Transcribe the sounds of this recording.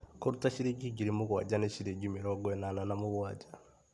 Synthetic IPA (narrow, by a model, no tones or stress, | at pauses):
koɾutaʃiɾiɡiɡiɾimuɣwa̰d͡ʒaneʃiɾeɟimiɾɔɡwɛnananamuβwad͡ʒa